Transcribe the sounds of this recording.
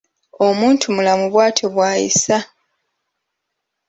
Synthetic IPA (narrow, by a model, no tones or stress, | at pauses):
o̞muːntʰumulamuβwaːtʰoβwaːjḭsa